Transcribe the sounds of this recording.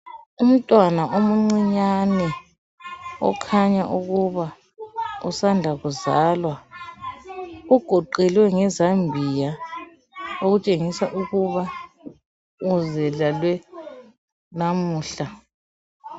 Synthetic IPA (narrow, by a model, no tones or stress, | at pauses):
um̩tʼwanaʔomuŋ͡ǀiɲanɛ | ɔ̰kʰaɲaʔuɣuβa | ṵsandʱaɣuzaːlwa | uɡ̥ʱɔǃɛlwɛŋɛzambʱija | oɣut͡ʃʼeŋisaʔuɣuβa | uzɛlalwɛ | namuːɬa